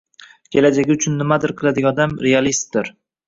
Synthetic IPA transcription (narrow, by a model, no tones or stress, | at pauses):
kʲʰe̞lad͡ʒaɡʲɪʊt͡ʃʰʊnːɪmad̪ɪɾqʰɨlˠad̪ɪɡʲaɒd̪amɾealist̪̚d̪ɪɾ